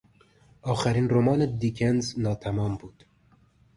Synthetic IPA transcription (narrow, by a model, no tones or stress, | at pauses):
ɑːxæɾiːnromɑːned̪iːkʰɛnznɑːt̪ʰæmɑːmbuːt̪